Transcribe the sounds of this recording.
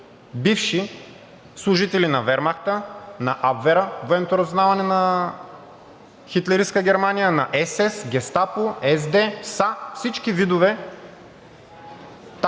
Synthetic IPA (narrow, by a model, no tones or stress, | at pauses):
bifʃi | slˠʊʒit̪ɛlinɐvɛɾmaxt̪ənɐʔabvɛɾəvoɛmt̪oɾɐznavɐnɛnɐ | xit̪lɛɾiskəɡʲɛɾmanijənɐʔɛsɛsɡʲɛst̪apʊɛzd̪ɛsafsit͡ʃkivid̪ʊvɛ | t̪